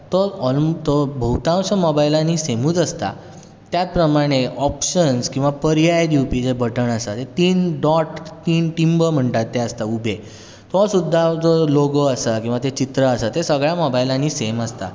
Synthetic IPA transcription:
t̪ɔɔlt̪ɔbʱəwt̪ãw̃səmɔbailãnːisem̤uːt̪əst̪a̰ | t̪jat̪̚pɾəmaɽ̃eɔpɕənskĩw̃ʋapəɾjajd̪jupid͡zebəʈəɳəsat̪et̪iːnɖɔʈt̪iːnʈimbəm̤əɳʈat̪ːeəst̪aubʱe | t̪ɔsud̪ʱːad͡zɔloɡəəsakĩw̃ʋat̪et͡ɕit̪ɾəəsət̪esəɡɭjamɔbajlãnːiseməst̪a̰

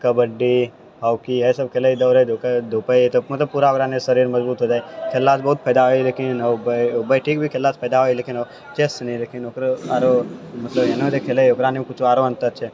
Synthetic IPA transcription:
kɐbəɖːi | ɦɐwkiɦɛsɐb̚kʰeːləid̪əwɾed̪ʱokd̪ʱopət̪omɐt̪əbpuːɾaokɾanesəɾiːɾmɐzbuːt̪ɦoːd͡ʒaːekʰelːaːsbɐɦut̪̚pʰɛjd̪aɦoileːkɪnobəibəiʈʰiːkbʱikʰelːaːspʰəːd̪aɦoːileːkɪno | t͡ʃeːsnĩleːkɪnoːkɾeaːɾomɐt̪ləbenõd͡ʒ̪ekʰeːleoːkɾaːnekʊt͡ʃʰoaːɾoɐ̃nt̪əɾt͡ʃʰe

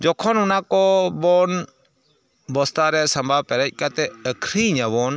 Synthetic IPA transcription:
d͡ʒɔkʰɔnʊnakɔbɔn | bɔst̪aɾɛsɐmbʱaːpɛɾɛc̚ʲˀkat̪ɛəkʰɾiɲabɔːn

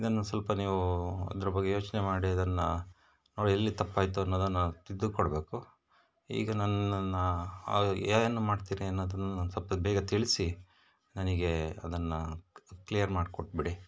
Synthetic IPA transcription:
id̪ɐnːɐsʋɐlpɐniːʋuɐ̰d̪ɐɾɐbɐɡːejo̞ːt͡ʃnemaːɽiɐd̪ɐnːɐ | noːɽielːit̪ɐpːaːjt̪uɐnːoːd̪unːat̪id̪ːukɔɽbe̞ːku | ḭːɡɐnɐnnːɐ | aːjɐnːumaːɖt̪iːɾiɐnːoːd̪unːusɐlpɐbɛːɡɐt̪iɭisi | nɐniɡe̞ɐd̪ɐnːɐklijɐɾmaːɖkɔʈ̚biɽi

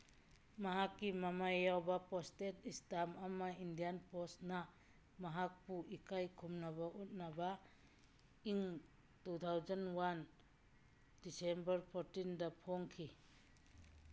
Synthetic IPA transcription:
mɐɦakːimɐmajawbɐpɔstetistamɐmaindijanpɔsna | mɐɦak̚puʔikajkʰumnɐβɐʔut̚naba | iŋ | tut̪ʰawd͡ʒɐnwan | disembɐɾpʰɔɾtindɐpʰoŋkʰi

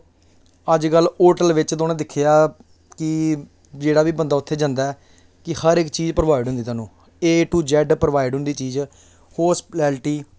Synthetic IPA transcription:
əd͡ʒɡəlːoːʈəlʋɪt͡ʃd̪oːnẽːd̪ɪkʰːɪjaː | kɪ | d͡ʒeːɽaːʋiːbənd̪aːʊt̪ʰːeːd͡ʒãːnd̪aɛː | kɪhəɾɪkt͡ʃiːzpɾəʋaːɪɖɦʊ̃nd̪iːt̪aːnũː | eːʈuːd͡ʒɛːɖpɾʋaːɪɖɦʊ̃nd̪iːt͡ʃiːz | hoːspʈɛːlʈiː

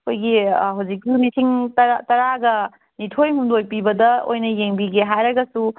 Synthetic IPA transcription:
ɐkʰojɡiɦawd͡ʒik̚sunisʰiŋtɐɾatɐɾaɡɐ | nitʰojmundojpibɐdɐo̰jnɐjeŋbiɡeɦajɾɐɡɐsu

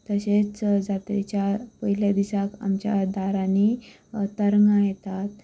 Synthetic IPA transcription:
t̪əɕet͡sd͡zat̪et͡ɕjapəɦiljad̪isaka̰mt͡ɕja̰d̪ʱaɾani | t̪əɾŋɡãjet̪at̪̚

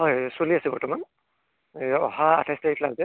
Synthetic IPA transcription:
ɦɔjsoliasɛbɔɹtɔman | ɔ̰ɦaa̰tʰajsteitʰlaɡzɛ

